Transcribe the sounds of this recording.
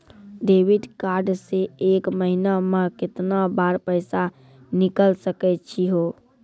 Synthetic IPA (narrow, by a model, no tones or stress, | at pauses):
ɖeːʋɪɖkaːɾɖseeːkməɦinamẽkɪt̪nabaːɾpəɪsa | nɪkəlsəkɛt͡ʃʰiɦoː